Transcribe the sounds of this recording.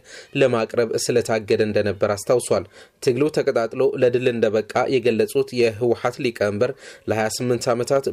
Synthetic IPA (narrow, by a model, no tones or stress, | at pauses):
ləmakʼɾəβsɨlət̪ʰaɡːəd̪əɨnd̪ənəbːəɾast̪ʰawswalt̪ʰɨɡlɨwt̪ʰəkʼət̪ʼat̪ʼloləd̪ɨlɨnd̪əβəkʼːa̰jɛɡəlːəsʼut̪jɛɦɨwħat̪likʼəmbəɾləhajasɨmːɨnt̪ʰamət̪ʰat̪